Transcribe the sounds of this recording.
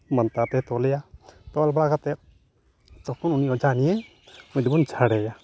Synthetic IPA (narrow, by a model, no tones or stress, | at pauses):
mənt̪at̪ɛt̪ɔlɛjat̪ɔlbaɡat̪ɛ | t̪ɔkununiɔd͡ʒanijɛ | mud̪ibunt͡ʃʰaɽɛja